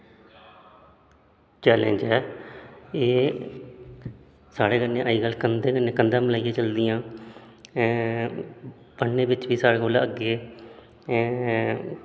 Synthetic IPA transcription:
t͡ʃɛːlḛ̃ːɲd͡ʒɛː | eː | saːɽeːkənːẽːʔəːiːɡəlːkənd̪eːkənːẽːkənd̪ãːməlaːikeːt͡ʃəld̪ɪjãː | b̥əɳneːbɪt͡ʃʋiːsaːɽeːɡoːlaːəɡːeː

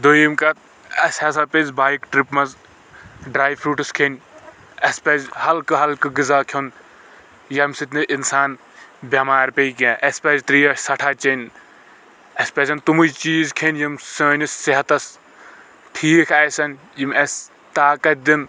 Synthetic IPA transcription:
d̪oːjimkɐt̪̚ | ɐsʲhɐs̬apezbaːjikʈɾipmɐz | ɖɾaːjpʰɾuːʈɨskʰenʲ | ɐspɐzhɐlkɨɦɐlkɨɡizaːkʰon | jɐmsit̪ʰnɨʔinsaːn | bʲɐmaːɾpʲejkeʔɐspʲɐzt̪ɾiːɐsɐʈʰaːt͡ʃenʲ | ɐspɐzʰɐnt̪umujt͡ʃiːzkʰenʲjimsoːnisːeɦɐt̪ɐs | ʈʰiːkʰɐjsɐn | jimɐsʲ | t̪aːkɐt̪̚d̪in

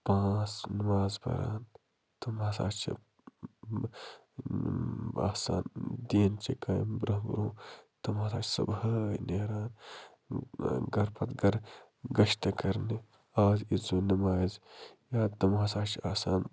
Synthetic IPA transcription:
pãːt͡snimaːzpɐ̰ɾa̰ːn | t̪ɐmɦasa̰ːt͡ʃʰɐ̰ | a̰ːsa̰ːnd̪iːnt͡ʃikɐj̰mbɾɐɦbɾõːt̪ɐmɦaːsaːt͡ʃʰsɐ̰bɦɐjneːɾaːn | ɡɐɾpɐt̪ɡɐɾ | ɡɐʃt̪ɐkɐɾni | aːzizuːnɐmaːzjaːt̪ɐmɦaːsaːt͡ʃʰaːsaːn

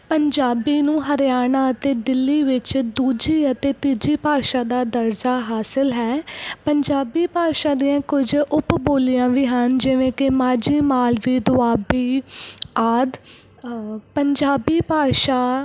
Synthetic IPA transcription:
pəɲd͡ʒaːbiːnũːɦəɾjaːnãːət̪eːd̪ɪlːiːʋɪt͡ʃd̪uːd͡ʒiːət̪eːt̪iːd͡ʒiːpaːʃaːd̪aːd̪əɾd͡ʒaːɦaːsɪlɦɛːpəɲd͡ʒaːbiːpaːʃãːd̪ijãːkʊd͡ʒʊpboːlijãːʋiːɦənd͡ʒɪʋẽːkɪmaːd͡ʒiːmaːlʋiːd̪ʊaːbiː | aːd̪ | pəɲd͡ʒaːbiːpaːʃaː

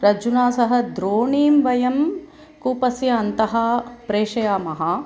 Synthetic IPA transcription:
ɾɐd͡ʒunaːsɐɦɐ̆d̪ɾoːɳiːmʋɐjɐm | kuːpɐsjɐːnt̪ɐɦɐpɾeːʂɐjaːmɐɦɐ

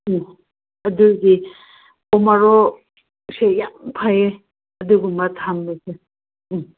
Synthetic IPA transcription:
ɐduɡi | ɔmaɾɔ | sejampʰae | ɐduɡumɐtʰamlise

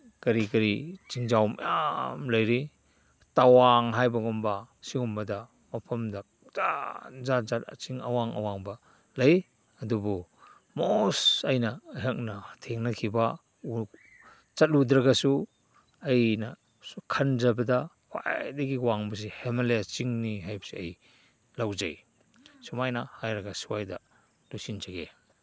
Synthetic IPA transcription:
kɐɾikɐɾit͡ʃiŋd͡ʒawma̰jamlɐjɾi | tawaŋɦajbɐɡɔmbɐ | siŋumbɐda | mɐpʰɐmda | z̥atzat̚zata̰t͡ʃiŋa̰waŋa̰waŋbɐ | lɐj | ɐdubu | mosajnɐɦek̚nɐtʰeŋnɐkʰiba | t͡ʃat̚ludɾɐɡasu | ɐjnɐ | kʰand͡ʒɐbɐdɐ | wa̰jdɐɡiwaŋbɐs̬ehemaleat͡ʃiŋniɦajbɐ̥seɐj | lawd͡ʒa̰j | sumajnɐhajɾɐɡasiwajdɐ | lusint͡ʃaɡe

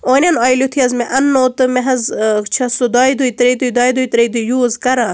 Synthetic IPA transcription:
oːnʲɐnaːjlʲut̪ʰiɐzmeʔɐnːoːt̪ɨmeɦɐzt͡ʃʰɐsud̪aːjd̪ujt̪ɾejt̪ujd̪aːjd̪ujt̪ɾejd̪ujuːzkɐɾãː

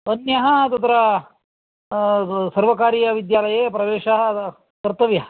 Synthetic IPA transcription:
ənjɐɦɐt̪ɐt̪ɾɐ | sɐɾʋɐkaːɾijɐʋid̪jaːlɐjepɾɐʋeːɕɐɦɐ | t̪ɐɾt̪ɐʋjɐɦ

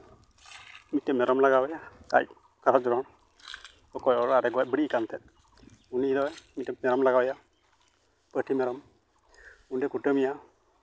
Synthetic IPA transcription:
mitːɛmɛɾɔmlaɡawɛjaka̰j | kaɾad͡ʒɔɾɔn | ɔkɔjɔɾaɾɛɡɔabəɽikant̪ʰɛt̪̚ | unid̪ɔɛmitɛmɛɾɔmlaɡawja | pəʈʰimɛɾɔm | undɛkuʈəmija

